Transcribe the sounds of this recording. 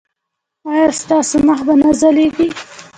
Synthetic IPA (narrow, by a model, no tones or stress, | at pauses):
ɑjɑst̪ɑsoməxbanazaleɡi